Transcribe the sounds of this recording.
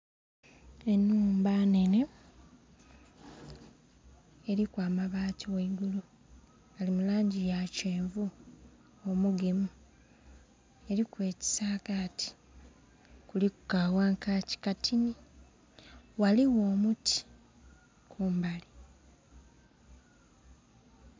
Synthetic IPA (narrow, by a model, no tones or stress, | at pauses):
e̞nːuːmbane̞ne | eɾikwaːmaβaːtiweiɡulu | alimulaːɲɟijace̞ːɱvu | omuɡemu | e̞ɾikwe̞ːci̥saːkaːti̥ | kulikukawaːŋkaci̥katʰini | waliwo̞ːmutʰi̥ | kʰuːmbali